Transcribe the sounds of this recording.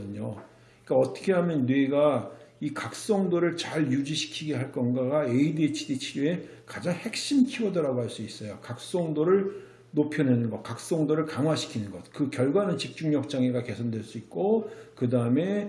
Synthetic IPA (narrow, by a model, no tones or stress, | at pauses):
dɯɲo | k͈aʌt͈ʌ̥kʰe̞ɦamjʌnːweɡaikak̚s͈ʌŋdoɾɯɭt͡ɕaɭjud͡ʑiɕʰi̥kʰiɡe̞ɦaɭk͈ʌnɡaɡaeidet͡ɕʰidit͡ɕʰiɾue̞ | kad͡ʑaŋhe̞k̚ɕ͈imkʰiʌdʌɾaɡoɦaɭs͈uis͈ʌjokak̚s͈ʌŋdoɾɯɭ | nopʰjʌnenɯnɡʌkak̚s͈ʌŋdoɾɯɭkaŋɦwaɕʰi̥kʰinɯnɡʌt̚kɯkjʌɭɡwanɯnt͡ɕik̚t͡ɕ͈uŋɲʌk̚t͡ɕ͈aŋe̞ɡake̞sʰʌndwe̞ɭs͈uit̚k͈okɯdaɯme̞